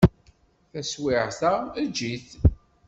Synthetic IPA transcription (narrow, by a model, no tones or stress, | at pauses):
θæswɪʕθææd͡ʒiθ